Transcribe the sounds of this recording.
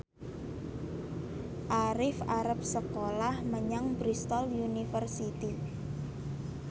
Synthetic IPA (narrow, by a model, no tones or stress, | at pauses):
ʔaɾɪfaɾəp̚səkolahməɲaŋbɾist̪ɔljunifərsit̪i